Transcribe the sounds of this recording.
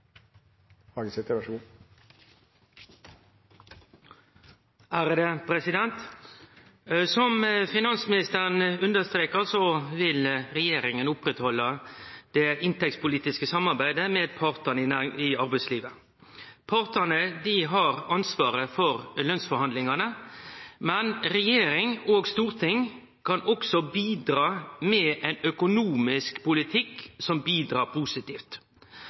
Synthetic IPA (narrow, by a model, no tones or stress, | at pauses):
hɑːɡəsɪt̪əʋɑʂɡuː | æːɾəd̪əpʰɾɛsɪd̪ɛnt̪ | sɔmfɪnɑnsmɪnɪst̪əʁənʉnd̪əst̪ɾeːkəʁsɔʋɪlʁɛjeːɾɪŋənʊpɾɛt̪hɔlːəd̪̥ɛʔɪnt̪ɛk̚tspʊliːt̪ɪskəsɑmːɑʁbæɪd̪əmeːd̪pʰɑːʁt̪ənəɪæɪɑɾbæɪsliːʋə | pʰɑɾt̪ənəd̪ɪɦɑɾɑnsʋɑːɾəfɔɾlœnsfɔɾhɑnd̪lɪŋɑnə | mɛnɾɛjeːɾɪŋoːɡst̪uːɾt̪ʰɪŋ | kʰɑnɔksɔbiːd̪ɾɑːmɛʔɛɪnœkʊnuːmɪskpʊlɪt̪ʰɪksɔmbiːd̪ɾɑːpʰuːsɪt̪iːft̪